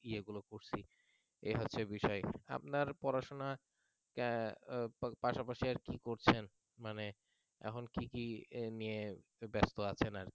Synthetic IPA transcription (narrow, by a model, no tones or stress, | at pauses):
ieɡulokoɾt͡ɕʰi | eɦotːɕʰebiʃɔea̰p̚naɾpɔɾaʃona | paʃapaʃiaɾkikoɾt͡ɕʰen | mane | ɛ̰kʰonkikinijebɛst̪oat͡ɕʰenaɾ